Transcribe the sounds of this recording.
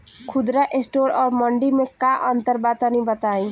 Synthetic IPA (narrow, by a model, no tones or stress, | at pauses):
kʰʊd̪ɾaʔesʈoːɾɔːɾməɳɖimẽkaʔənt̪əɾbat̪ənibət̪aːĩ